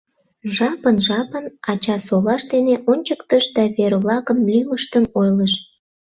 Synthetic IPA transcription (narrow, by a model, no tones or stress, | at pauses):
ʒɑpənʒɑpənɑt͡ɕɑsolɑʃd̪eneʔonʲt͡ɕəkt̪əʃd̪ɑβerβlɑkəmlyməʃt̪əmojləʃ